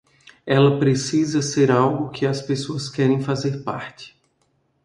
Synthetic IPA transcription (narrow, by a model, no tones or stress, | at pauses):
ɛlɐpɾesizɐseɾawɡʊkʰɪɐspesoɐskɛɾẽj̃fazeɾpa̰ɾt͡ʃɪ̥